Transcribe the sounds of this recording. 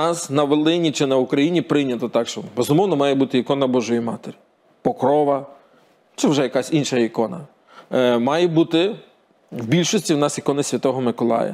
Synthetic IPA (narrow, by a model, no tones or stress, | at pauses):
ɑsnɐʋelˠɪnʲit͡ʃɪnɐukɾɐjinʲipɾɪnʲɐt̪ɔt̪ɑkʃt͡ʃɔbezʊmɔwnɔmɑjɛbut̪ɪikɔnɐbɔʒʊjimɑt̪eɾʲi | pɔkɾɔʋɐ | t͡ʃɛwʒɛjɐkɑsʲinʃɐikɔnɐ̰ | mɑjɛbut̪ɪ | wbʲilʲʃɔsʲtʲiwnɑsikɔnɪsʲʋʲɐt̪ɔɦɔmɪkɔlˠɑ̰jɐ̰